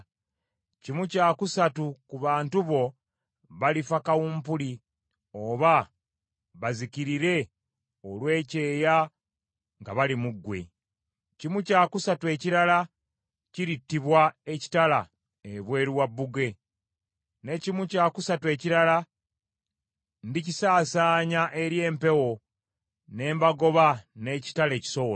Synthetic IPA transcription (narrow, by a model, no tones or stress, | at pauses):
cimucaːkusatukuβaːntuβo̞ | βalifakawuːmpuli | o̞ːβa | βazikiɾiɾe̞ | olwe̞ːce̞ːja | ŋɡaβalimuɡːwe̞̰ | cimucaːkusatue̞ciɾala | ciɾitːiβwae̞ci̥tala | eβwe̞ːɾiwabːuɡe̞ | ne̞cimucaːkusatwe̞ːciɾala | ndicisaːsaːɲaʔe̞ɾje̞ːmpe̞wo̞ | ne̞ːmbaɡo̞βane̞ːci̥tale̞ːci̥so̞